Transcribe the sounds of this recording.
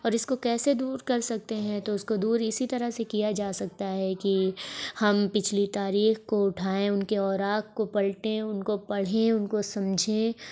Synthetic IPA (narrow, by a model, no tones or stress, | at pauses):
ɔːɾɪskokɛːsed̪uːɾkɐɾsɐk̚t̪eɦɛ̃t̪oʊskod̪uːɾɪsit̪ɐɾəɦsekijad͡ʒaːsɐk̚t̪aɦɛkihɐmpɪt͡ʃʰlit̪aːɾiːxkoʊʈʰaːẽʊnkeɔːɾaːkkːopɐɭʈẽʊnkopɐɽ̤ẽʊnkosɐ̃md͡ʒʱẽ